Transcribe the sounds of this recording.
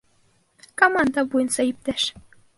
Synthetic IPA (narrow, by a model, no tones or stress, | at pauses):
komɑnd̪ɑβujənsɑip̚t̪eʃ